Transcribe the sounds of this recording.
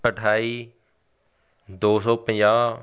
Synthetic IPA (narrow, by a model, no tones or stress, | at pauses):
əʈʰaːiː | d̪oːsɔːpə̃jãː